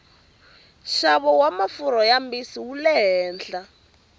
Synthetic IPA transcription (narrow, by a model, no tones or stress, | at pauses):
ʃaβɔwamafuɾɔjambisiwulɛɦɛːnd͡ɮa